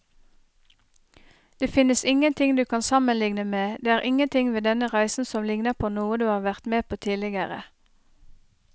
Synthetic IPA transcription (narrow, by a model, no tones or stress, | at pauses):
d̪̥eːfɪnəsɪŋənt̪ʰɪŋd̪ʉːkʰɑnsɑmənlɪŋnəmeːd̪eːæːʁʔɪŋənt̪ʰɪŋʋeːd̪ɛnəʁæɪsn̩sɔmlɪŋnəʁpʰoːnuːəd̪ʉːhɑːʁʋæʁt̪meːpʰoːt̪ʰiːlɪɡəʁə̰